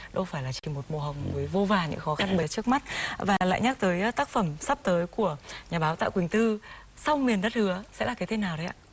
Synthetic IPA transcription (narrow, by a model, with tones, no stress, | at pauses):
ɗə˧ŋ͡mfaː˧˩jlaː˨˩t͡ɕi˧˩mo˨˩t̚mo˨˩ɦə˨˩wŋ͡mvəː˨˦jvo˧vaː˨˩ɲɨ̰˧˥xɔ˨˦xa˧nɓə˨˦t͡ɕɨ˦˥ək̚ma˦˥t̚vaː˨˩la̰ː˧˨jɲa˦˥k̚t̪əː˨˦jt̪aː˦˥k̚fə˧˩msa˦˥p̚t̪əː˨˦jku˧˩əɲaː˨˩ɓaː˨˦wt̪a̰ː˧˨kwï˨˩ŋ̟t̪ɨ˧ | sa˧wmi˨˩ənɗə˦˥t̚hɨ˨˦əsɛ̰˧˥laː˨˩kaː˨˦jt̪ʰe˨˦naː˨˩wɗə˨˦jʔa̰ː˧˨